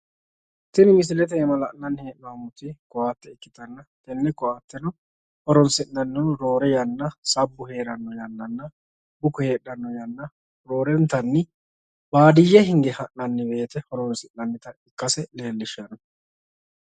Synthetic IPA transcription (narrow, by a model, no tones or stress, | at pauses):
t̪ːɪnɪmɪs̬ɪlɛt̪̬ɛɛmɐlɐʔnɐnːhe̞ːʔnɔwɐmʊt̪ɪkɔwaːt̪ːɛɪkːɪt̪ɐnːɐt̪ɛnːɪkɔaːt̪ːɛnɔ | hɔɾɔnsɪnnɐnːʊɾo̞ːɾɛjɐnːɐsɐbːʊhe̞ːɾɐnːɔjɐnːɐnːɐ | bʊkʊhe̞ːɗːɐnːɔjɐnːɐ | ɾo̞ːɾɛnt̪ɐnːɪ | baːd̪ɪjːɛhɪŋɡɛhɐʔnɐnːɪbe̞ːt̪ɛhɔɾɔnsɪnːɐnːɪt̪ɐɪkːɐsɛle̞ːlːɪʃɐnɐ